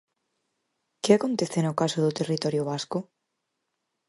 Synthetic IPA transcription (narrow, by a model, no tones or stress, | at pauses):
kɪakont̪eθenʊkasʊðʊt̪erit̪ɔɾjoβaskʊ